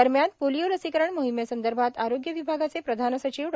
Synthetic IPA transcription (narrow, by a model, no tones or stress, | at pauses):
əɾmjant̪̚polijoləsikəɾəɳmoɦimesənd̪əɾbʱat̪aɾoɡjəʋibʱaɡat͡sepɾəd̪ʱanəsət͡ɕiʋ